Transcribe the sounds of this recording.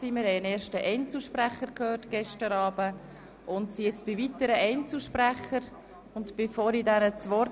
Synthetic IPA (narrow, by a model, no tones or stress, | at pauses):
siːmɪɾhɛɪənɛːɾʃtəʔɛɪnt͡suʃpræχəɾkʰhøːrtɡ̥ɛʃtəɾɑːbə | ʔʊntsijɪt͡sb̥ɪvit̪əɾəʔɛɪnt͡suʃpræχəɾ | ʊntb̥efoːɾidɛnət͡sʋɔɾ